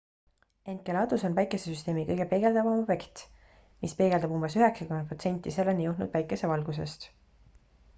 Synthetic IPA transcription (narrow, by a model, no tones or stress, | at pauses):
e̞n̚kelɑːd̪uso̞nvæjkesesyst̪e̞ːmikɤjɡ̥e̞pe̞ɡ̥e̞ld̪ɑvɑmob̥e̞kt̪ | mispe̞ːɡe̞ld̪ɑbumbe̞syɦeksɑkymenpro̞t̪senʲt̪ʲːˑise̞lːenʲijuh̪nṵd̪̥væjkːˑe̞se̞vɑlɡ̥us̬e̞st̪